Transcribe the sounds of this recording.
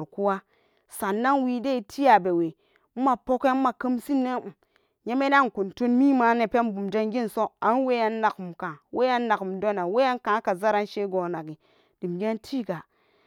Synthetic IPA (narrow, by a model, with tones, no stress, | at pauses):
ɾku˦wa˦ | sa˨nːa˦nwi˦de˦i˨tʰi˦a˨be˨we˨ | m̩˦ma˨po˦ke˦ma˨kə˦msi˦nːe˦˨ | ɲe˦me˦na˦˨ko˨nto˦nmi˦ma˨˦ne˨pe˦nbu˨md͡ʒa˦nɡi˦nso˦a˨˦n˦we˦ja˦nː˦a˨kmka˨we˦a˦nːa˨ku˨mdo˦na˨we˦a˦nkã˨˦ka˨za˦ɾa˦nʃe˦ɡo˨na˨ɡi˨ | d̥i˨m˨ɡe˦ntʰi˦ɡa˨